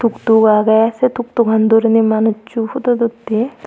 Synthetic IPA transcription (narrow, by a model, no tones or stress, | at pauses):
t̪ukt̪uɡaːɡɐjaset̪uk̚t̪uɡɐnd̪uɾinimanut͡ʃːuhud̪ud̪ut̪ːi